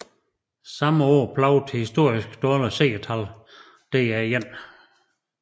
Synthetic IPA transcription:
sɑ̈məɒ̰ːpʰlɑʊt͡sʰe̝hisd̥o̝ɐ̰isɡ̥d̥ɒːləse̝̰ːt͡sʰæl | d̥eæjen̰

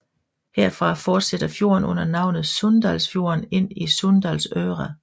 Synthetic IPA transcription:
heɐ̰fʁɑ̈fɒːd̥sed̥ɐfjo̝̰ɐnɔ̽n̰ɐnɑ̈ʊ̰nð̩ˠsɔnd̥ælsfjo̝ːɐne̝n̰isɔnd̥ælsøːʁæ

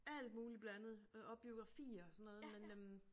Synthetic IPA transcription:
æl̰d̥muːlib̥læænð̞̩ˠɒ̽b̥b̥io̝ɡ̥ʁɑ̈fḭːɐɒsɒ̽nːɔ̽ːðˠmenøm

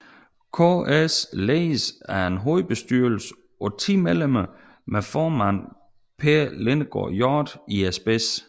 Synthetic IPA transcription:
kʰoesleːsæɐe̝nɦoːðb̥e̝sd̥yɐ̰l̩sə̥ | ɒ̽t͡sʰḭːmelemɐ | mefɒːmæn̰ | pʰeɐlenəɡ̥ɒ̰jɒːd̥iesb̥es

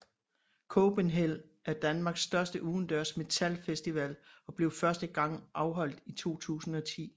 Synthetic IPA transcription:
kʰob̥enɦel̰ | ʔæɐd̥ænmɑ̈ːɡ̥sd̥ɶɐsd̥əʔuːn̩d̥œɐsme̝t͡sʰælfesd̥iʋælɒ̽b̥le̝ʊfɶɐsd̥əɡ̥ɑ̈ŋ̰ʔɑ̈ʊɦɒ̽l̰d̥it͡sʰo̝̰ːt͡sʰṵːsn̩ɒ̽t͡sʰḭː

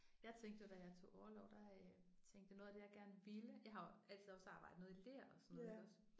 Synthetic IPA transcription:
jɑ̈ɪt͡sʰeŋ̰ɡd̥əjo̝d̥æjɑ̈ɪt͡sʰo̝̰ːɒʊɐlɒʊd̥ɑt͡sʰeŋ̰ɡd̥əno̽ːðˠd̥ejɑ̈ɪɡ̥æɐnəʋiləjɑ̈ɪhɑ̈oæl̰t͡sʰiðˠɒ̽sɑ̈ːb̥ɑ̈ɪ̰d̥̩ˠnɔðˠileɐ̰ɒ̽sɔno̥s

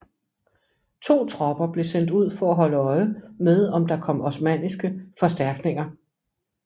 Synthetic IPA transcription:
t͡sʰo̝̰ːt͡sʰʁɒ̽b̥ɐb̥le̝sen̰d̥uð̞̰ˠfɒ̽æɦɒ̽ləɒ̽ɪəmeð̞ˠɒ̽md̥ɑ̈kʰɒ̽m̰ɒsmæn̰isɡ̥əfɒ̽sd̥æɐɡ̥ne̝ŋɐ

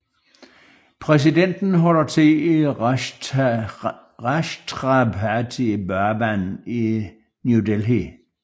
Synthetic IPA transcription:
pʰʁɛs̬iden̰d̥n̩ɦɒlɐt͡sʰe̝i | ʁaʃt͡sʰʁɑbʰæt͡sʰibæɐbæni | njudelɦi

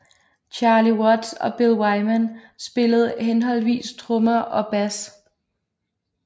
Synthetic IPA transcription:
t͡ɕʰɑ̈ːliwɔd̥sɒ̽b̥elˠwɑ̈ɪmæn | sb̥e̝ləð̞̩ˠɦenɦɒ̽l̰ʋḭːst͡sʰʁɔmɐʔɒ̽b̥æs

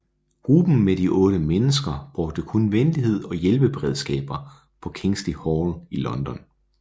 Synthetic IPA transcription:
huːb̥n̩meɾ̥iʔɔ̽ːɾ̥əmenəsɡ̥ɐb̥ʁɔɡ̥̚d̥əkʰɔnʋenliɦe̝ð̞̰ˠɒ̽jelb̥əb̥e̝ʁeð̞ˠsɡ̥ɛ̰ːb̥ɐ | pʰɒ̽kʰe̝ŋsd̥ihɒlilɒ̽nd̥ɒ̽n

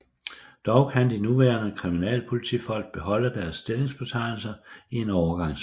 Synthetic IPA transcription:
d̥ɒʊkʰænd̥inuʋæːɐnəkʰʁiminɛ̰ːlpʰo̝lit͡sʰḭːfɒ̽l̰ɡ̥̚b̥e̝ɦɒ̽l̰əd̥æɐsːd̥e̝le̝ŋsb̥e̝t͡sʰɑ̈ɪ̰l̩sɐie̝nɒʊɐɡ̥ɑ̈ŋ̰s

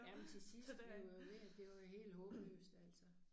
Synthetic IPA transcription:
jæment͡sʰe̝sisdd̥b̥oʋeæd̥e̝ʋɑ̈ɦe̝̰ːld̥ɦɔ̽ːb̥əlø̰ːsd̥æl̰sɐ

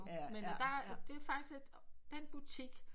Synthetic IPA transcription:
mend̥ɑ̈d̥e̝fɑ̈ɡ̥d̥ise̥ | d̥enb̥ut͡sʰiɡ̥

